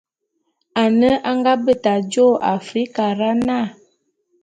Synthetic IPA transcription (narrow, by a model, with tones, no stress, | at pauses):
a˨nə˦ʔa˦ŋɡa˦bə˦˨ta˨d͡ʒo˦˨a˨fɾi˦ka˨ɾa˦na˦˨